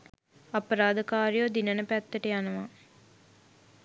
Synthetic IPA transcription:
ɐpəɾaːd̪əkaːɾijod̪inənəpæt̪ːəʈəjanəʋa

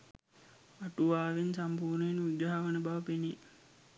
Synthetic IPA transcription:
aʈuʋaːʋinsampuːɾnəjenud̪aɦaʋənəbaʋəpeni

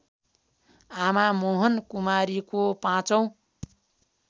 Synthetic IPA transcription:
amamoɦʌnkumaɾikopãt͡sʌw̃

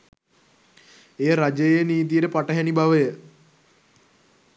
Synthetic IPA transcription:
eːɾad͡ʒejejniːt̪̬ijəʈəpaʈəɦænibaʋəjə

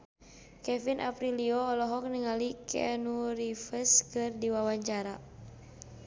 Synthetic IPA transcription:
kɛfinʔa̰pɾiliɔːlɔɦɔk̚niŋalikʰɛ̰nuɾifəskɨrdiwawaɲt͡ʃaɾa

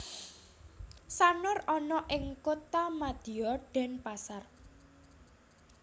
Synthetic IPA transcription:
sanʊrɔnɔʔɪŋkot̪amad̪̥i̤ɔɖ̥ɛ̤npasar

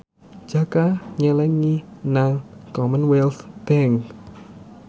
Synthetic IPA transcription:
d̥d͡ʒ̥a̤kaɲəlɛŋinaŋkɔmənwɛlsd̪̥ɛŋ

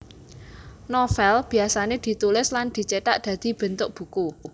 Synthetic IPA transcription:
nofɛlb̥i̤asaned̪̥i̤t̪ulɪsland̪̥i̤t͡ʃeʈ̪aʔd̪̥ä̤d̪̥i̤b̥ə̤nt̪ʊk̚b̥ṳku

